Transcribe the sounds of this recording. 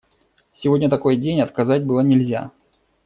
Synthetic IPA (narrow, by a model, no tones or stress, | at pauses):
sʲɪvo̞dʲnʲət̪ɐko̞jdʲenʲɐt̪kɐzatʲbɨlˠənʲɪlʲzʲa̰